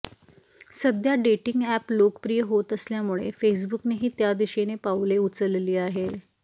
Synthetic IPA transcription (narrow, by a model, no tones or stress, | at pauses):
səd̪jaɖeʈiŋɡæplokpɾijəɦot̪əsljamuɭefes̬bukneɦiːt̪jad̪iɕenepaʋleut͡səlliːaɦe